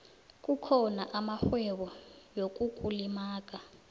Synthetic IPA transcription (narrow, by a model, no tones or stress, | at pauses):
k̬ʼukʰɔnaʔamaxwɛɓɔjok̬ʼukʼulimaːk̬ʼa